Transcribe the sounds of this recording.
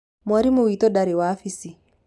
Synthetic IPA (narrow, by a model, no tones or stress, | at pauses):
mwaɾimowitɔɗaɾiwaːfisi